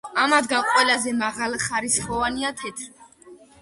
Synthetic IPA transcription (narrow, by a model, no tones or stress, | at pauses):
amad̪ɡanqʼwɛlazɛmaʁalˠχaɾisχɔvaniat̪ʰɛt̪ʰɾi